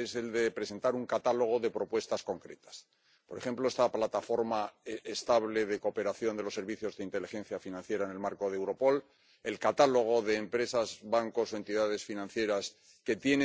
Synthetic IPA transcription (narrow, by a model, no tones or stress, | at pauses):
ese̞ld̪e̞pɾe̞se̞nt̪aɾuŋkat̪alo̞ɣ̞o̞ðe̞pɾo̞pwe̞st̪asko̞ŋkɾe̞̰t̪ḁs | po̞ɾe̞xe̞mplo̞est̪aplat̪afo̞ɾmaest̪aβle̞ð̞e̞ko̞pe̞ɾaθjo̞nd̪e̞losːe̞ɾβiθjo̞zðeint̪e̞lixe̞nθjafinãn̟θje̞ɾaenelmaɾko̞ðewɾo̞po̞l | e̞lkat̪alo̞ɣ̞o̞ðe̞ːmpɾe̞sazβaŋko̞soe̞nt̪iðað̞e̞sfinãn̟θje̞ɾas | ke̞t̪je̞ne